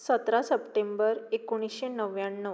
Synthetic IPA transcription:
sət̪ɾasəpʈembəɾekuɽ̃isɕenəʋjaɳːə

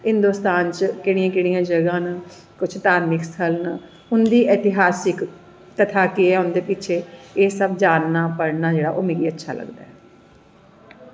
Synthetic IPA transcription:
ɦɪnd̪oːst̪aːnt͡ʃkɪɽ̃ɪãːkɪɽ̃ijãːd͡ʒəɡãːn | kʊt͡ʃʰt̪aːɾmɪkst̪ʰəln | ʊnd̪iːʔɛːt̪ɪɦaːsɪk | t̪ət̪ʰaːkɪɛːʊnd̪eːpɪːt͡ʃʰeːeːsəbd͡ʒaːnːaːpəɽnaːd͡ʒeːɽa̰ːʔoːmẽːɡiːətːʃʰa̰ːlə̰ɡd̪a̰ːɛː

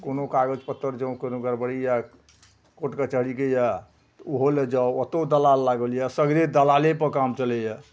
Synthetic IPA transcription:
konokaɡəd͡ʒpət̪ːəɾd͡ʒə̃w̃kenoɡəɾbəɽija | koʈkət͡ʃəɦɽikeja | t̪oɦoled͡ʒawət̪od̪əlalːaɡəlijasəɡɾed̪əlalepəkamt͡ʃəlɛja

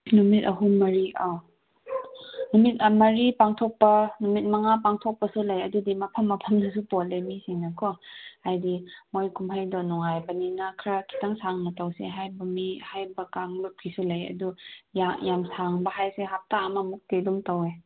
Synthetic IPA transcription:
numitɐɦumɐɾia | numit̚ɐmɐɾipaŋtʰok̚pɐnumit̚mɐŋapaŋtʰok̚pɐsulajɐdudimɐpʰɐmːɐpʰɐmnɐs̬upolemisiŋnɐkʰɔhajdimojkʰumɦajdɔnɔŋajbɐninɐkʰɾakʰi̥taŋsaŋnɐtawsḛɦajbɐmihajbɐkaŋlup̚kʰisulɐjɐ̰dujajamsaŋbɐɦajseɦap̚taːmɐmuk̚tedumtawe

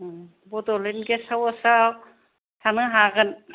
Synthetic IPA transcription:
bɔdɔlenɡesawasaw | tʰanɯɦaɡɯn

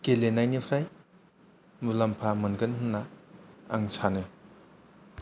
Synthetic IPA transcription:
kelenajnipʰɾaj | mulampʰamɯnɡɯnɦunːaa̰ŋsʰanɯ

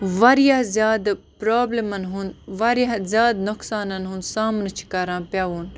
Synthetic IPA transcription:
ʋɐɾijaɦzjaːd̪pɾaːblemɐnɦunʋɐɾjɐɦzʲjaːd̪nʊksaːnɐnɦunsaːmnɐt͡ʃʰi̥kɐɾãːpjaːʋuːn

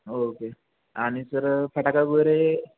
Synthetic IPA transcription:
oke | aɽ̃isəɾfʰəʈakaɡəɾe

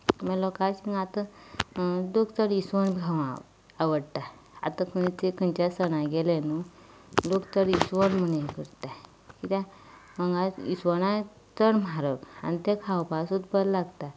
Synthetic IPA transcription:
məlɔkasiŋɡat̪ə | d̪okt̪əɾisʋəɳbɡʱaʋa | aʋəɽt̪a | a̰t̪akʰənit͡sekənt͡ɕasəñãɡelenu | dokt̪əɾisʋənm̤ənẽkəɾt̪a | kit̪a | məŋɡãisʋəñã | t͡səɽm̤aɾəka̰nit̪ekʰawpasut̪bəllaɡt̪a

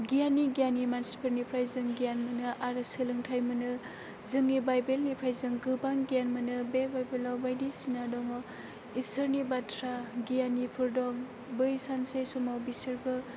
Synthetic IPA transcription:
ɡijaniɡijanimansi̥pʰɯɾnipʰɾajzɯŋɡijanmɯnɯʔaɾɯsɯlɯŋtʰajmɯnɯ | zɯŋːibajbelnipʰɾajzɯŋɡɯbaŋɡijanmɯnɯbebajbelawbajdisinadɔŋɔ | istʰəɾnibatʰɾaɡijanipʰɯɾdɔŋ | bɯjsansesumawbisɯɾbɯ

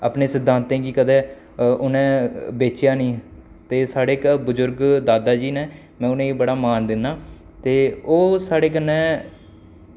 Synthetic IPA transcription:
a̰ːpneːsɪd̪ʱːãːnt̪ẽːkikəd̪ɛː | ʊnẽːbeːt͡ʃjaːnĩː | t̪eːsaːɽeːkbʊzʊɾɡd̪aːd̪aːd͡ʒiːneː | mɛ̃ːʊnẽːbəɽaːmaːnd̪ɪnːaː | t̪eːoːsaːɽeːk̬ənːɛ̃ː

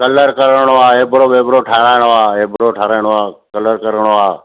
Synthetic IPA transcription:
kələɾkəɾəɳ̃oaːɦeːbɾoːʋeːbɾoːʈʰaːɾaːɪɽ̃oaːeːbɾoːʈʰaːɾaːɪɽ̃oaːkələɾkəɾəɳ̃oːaː

